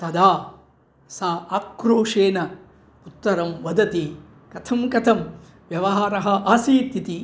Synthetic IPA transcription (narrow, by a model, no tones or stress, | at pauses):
t̪ɐd̪aː | saːakɾoːʂeːnɐ | ut̪ːɐɾɐmʋɐd̪ɐt̪i | kɐt̪ʰɐmkɐt̪ʰɐm | ʋjɐʋɐɦaːɾɐɦɐʔaːsiːt̪it̪i